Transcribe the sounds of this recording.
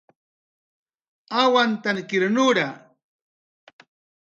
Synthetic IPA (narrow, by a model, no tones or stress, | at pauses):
awant̪ankɪɾnʊɾa